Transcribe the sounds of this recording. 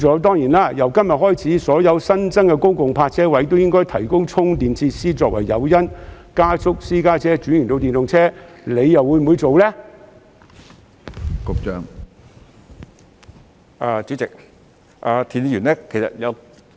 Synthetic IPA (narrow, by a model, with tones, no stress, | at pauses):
ɔː˨˥t̪̬ɔː˥ŋjiː˨˩nlaː˥jɐ˨˩wkɐ˥mjɐ˨t̚hɔː˥jt͡sʰiː˨˥sɔː˨˥jɐ˨˧wsɐ˥nt͡sɐ˥ŋkɛ˧kʊ˥ŋkʊ˨ŋpʰaː˧t̚t͡sʰɛː˥wɐ˨˧˥jt̪̬o˥wjɪ˥ŋkɔː˥jt̪ʰɐ˨˩jkʊ˥ŋt͡sʰʊ˥ŋt̪iː˨nt͡sʰiː˧t̚siː˥t͡sɔː˧k̚wɐ̰˨˩jːɐ̰˨˧wjɐ˥n | kaː˥sʊ˥k̚siː˥kaː˥t͡sʰɛː˥t͡ʃyː˨˥njyː˨˩nt̪o˧wt̪iː˨nt̪ʊ˨ŋt͡sʰɛː˥le˨˧jːɐ˨wːuː˨˧jm˨uː˨˧jt͡so˨wlɛː˥ | ko˧˥k̚t͡ʃœː˥ŋ | aː˧t͡ʃyː˨˥t͡sɪ˨k̚ | ʔaː˨˧t̪ʰiː˨n˧jyː˨˩nɛː˥kʰe˨˩jsɐ̰˨t̚jɐ˨˧w